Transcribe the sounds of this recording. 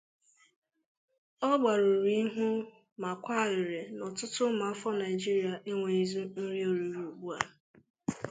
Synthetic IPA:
ɔ˦ɡ͡ba˨ɾo˨ɾi˦ɦu˦ | ma˨kʷa˦˨wɪ˨ɾe˨nɔ˨tʊ˦tʊ˦ma˨˦fɔ˦na˨ɪ˨d͡ʒi˦ɾi˨a˨ʔe˦ŋʷe˨i˦zu˦n̩˦ɾi˦o˨ɾu˨˦ɾu˨ɡ͡bu˦a˨

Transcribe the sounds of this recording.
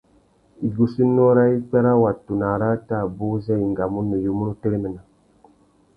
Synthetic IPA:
i˨ɡu˦si˦nːo˦ɾa˦i˦k͡pe˦ɾa˦wa˨tːu˨na˨ɾa˦ta˦˨bu˦ze˦i˨ŋɡa˨mu˦nːə˨ju˦mu˦nu˦te˦ɾmə˨na˨

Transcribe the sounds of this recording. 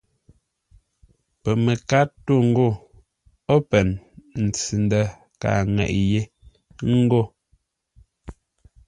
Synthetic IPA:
pɛ˨me˨ka˦to˦˨ŋ̩˦ɡo˦˨ | o˦pɛ˨nn̩˨t͡si˨n˦də˦ | ka̰˨ŋɛ̰˨ʔje˦ | ŋ̩˦ɡo˦˨

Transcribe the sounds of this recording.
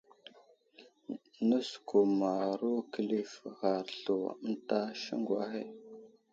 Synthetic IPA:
nə˦sku˨ma˨ɾu˦kə˨li˦fɣa˨ɾɬu˨ə˦n˦ta˦ʃə̰˦ŋɡwa˦xḛ˦

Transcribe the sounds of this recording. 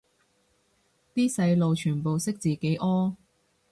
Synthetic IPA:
t̪iː˥sɐ˧jlo˨wt͡ʃʰyː˨˩npo˨wsɪ˥k̚t͡siː˨ke˨˥jʔɔː˥

